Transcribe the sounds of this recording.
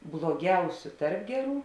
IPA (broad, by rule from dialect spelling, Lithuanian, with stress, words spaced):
blˠoːˈɡʲɛʊsʲʊ ˈtɐrp ˈɡʲæːˌruː